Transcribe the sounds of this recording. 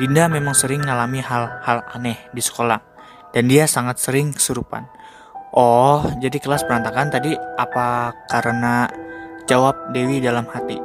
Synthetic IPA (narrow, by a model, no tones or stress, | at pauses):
dindamemaŋsəɾɪŋːalamiɦalhala̰nɛhdisə̥kola | d̥andiasaŋat̪̚səɾɪŋkə̥suɾupa̰n | ʔɔhd͡ʒadikəlaspəɾant̪akant̪adiʔapakaɾəna | d͡ʒawap̚dewidalamhat̪ḭ